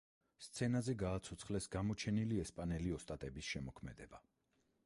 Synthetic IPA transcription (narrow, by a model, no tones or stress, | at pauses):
st̪sʰɛnazɛɡaːt̪sʰɔt̪sʰχlɛsɡamɔt͡ʃʰɛniliɛspʼanɛliɔst̪ʼat̪ʼɛbisʃɛmɔkʰmɛd̪ɛba